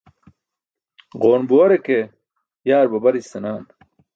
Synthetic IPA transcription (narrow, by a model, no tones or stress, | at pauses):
ʁoːnbuwɐɾeke | jaːɾbɐbɐɾist̪ɐnaːn